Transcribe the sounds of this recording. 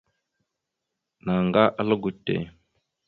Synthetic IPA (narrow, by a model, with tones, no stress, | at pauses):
na˨ŋɡa˦ʔa˦lə˦ɡu˨tːḛ˨